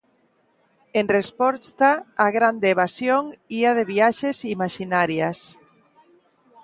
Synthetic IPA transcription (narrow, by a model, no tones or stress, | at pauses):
enrespɔst̪aːɣɾand̪eːβasjoŋiaðeβiaʃesimaʃinaɾjas